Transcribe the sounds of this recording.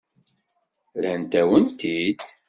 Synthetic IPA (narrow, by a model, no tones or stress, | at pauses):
ɾænt̪æwənt̪id̪